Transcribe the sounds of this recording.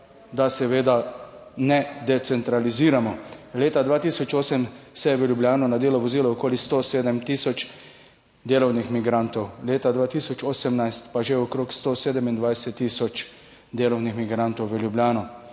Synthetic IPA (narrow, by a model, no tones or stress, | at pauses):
d̪asɛʋeːd̪anɛd̪ɛt̪sɛnt̪ɾaliziːɾamɔleːt̪ad̪ʋaːt̪iːsɔt͡ʃoːsɛmsɛʋəljubljaːnɔnad̪eːlɔʋɔziːlɔɔkoːlist̪oseːd̪ɛmt̪iːsɔt͡ʃ | d̪eːlɔwnixmiɡɾant̪ɔwleːt̪ad̪ʋaːt̪isɔt͡ʃoːsɛmnajst̪paʒeɔkɾoːkst̪oseːd̪ɛmind̪ʋajsɛt̪ːiːsɔt͡ʃd̪eːlɔwnixmiɡɾant̪ɔwʋəljubljaːnɔ